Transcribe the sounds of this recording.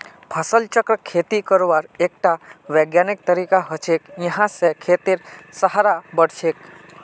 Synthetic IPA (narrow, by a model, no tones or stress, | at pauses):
pʰəsəlt͡ʃəkɾəkʰet̪ikəɾoʋaɾek̚ʈaʋɛɡjanɪk̚t̪əɾikaɦət͡ʃʰekjəɦãsekʰet̪iɾsəɦaɾabəɽʃek